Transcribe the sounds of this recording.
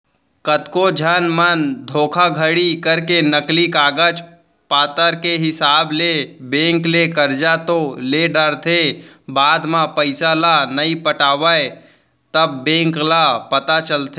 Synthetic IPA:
kət̪kod͡ʒʱənmənd̪ʱoːkʰaɡʱəɽikəɾkenəklikaːɡəd͡ʒ | paːt̪əɾkeɦɪsaːblebẽːŋklekəɾd͡ʒat̪oleɖəɾt̪ʰebaːd̪mãpəɪsalanəipəʈaːʋəe | t̪əbːẽːŋklapət̪at͡ʃəlt̪ʰe

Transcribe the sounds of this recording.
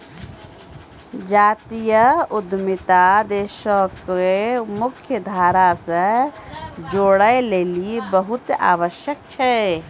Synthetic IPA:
d͡ʒaːt̪ijəʊd̪mɪt̪ad̪eːʃəkemʊkʰjəd̪ʱaːɾase | d͡ʒoːɽəeleːlibəɦʊt̪a̰ːʋəʃjək̚t͡ʃʰɛ

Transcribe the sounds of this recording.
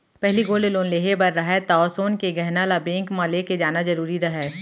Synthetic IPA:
pɛɦliɡoːleloːnleːɦebɐɾːɐɦɛt̪aːsoːnkeɡɛɦnalabẽːŋkmãleked͡ʒaːnazɐɾuːɾiɾɐɦɛː

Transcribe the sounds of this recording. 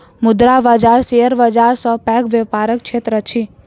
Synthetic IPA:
mʊd̪ɾaʋad͡ʒaɾseəɾʋəd͡ʒaɾsɔpɛ̃ɡʋjəpaɾək̚t͡ʃʰet̪ɾət͡ʃʰi

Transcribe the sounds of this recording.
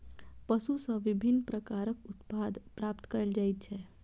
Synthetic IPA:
pəsusə̃ʋibʱinːpɾəkaɾəkʊt̪pad̪pɾapt̪kəɾld͡ʒajt̪̚t͡ʃʰɛ

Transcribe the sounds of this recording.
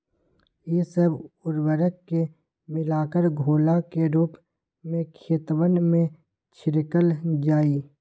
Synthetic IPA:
jesəbʊɾwəɾəkːe | mɪlaːkəɾɡʱoːlakeɾuːp | mẽkʰeːt̪wənmẽ | t͡ʃʰɪɾɪkəld͡ʒaːiː

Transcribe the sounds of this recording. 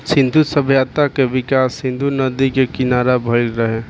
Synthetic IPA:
sɪ̃nd̪ʱusəbʱjat̪akeʋɪkaːsɪ̃nd̪ʱunəd̪ikekɪnaːɾabʱəɭɾəɦe

